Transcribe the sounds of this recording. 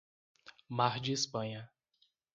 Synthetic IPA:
maɾd͡ʒɪispɐ̃ɲɐ

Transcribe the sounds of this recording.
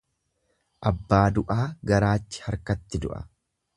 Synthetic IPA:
ʔɐbːaːd̪ʊʔaːɡɐɾaːt͡ʃːɪ̥hɐɾkɐt̪ːɪd̪ʊ̰ʔɐ̰

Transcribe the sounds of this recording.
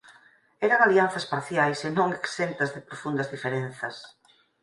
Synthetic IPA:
ɛɾaŋalianθɐspaɾθjajsenõŋeksent̪ɐzðepɾofund̪ɐzðifeɾenθɐs

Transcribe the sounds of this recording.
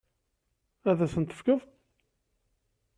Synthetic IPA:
æðæθənt̪ə̥fkəð

